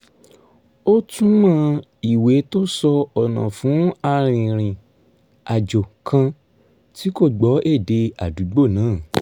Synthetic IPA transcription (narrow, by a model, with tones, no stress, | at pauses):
o˦tũ˦mã˦˧˦ | i˦˨we˨˦to˦sɔ˧ɔ˨nã̰˨fũ˨˦a˧ɾ̃ĩ˨ɾ̃ĩ˨ | a˨d͡ʒo˨kʰã˧ | ti˦ko˦˨ɡ͡bɔ˨˦ʔe˦˨de˧a˨du˨˦ɡ͡bo˦˨nãː˨˦˨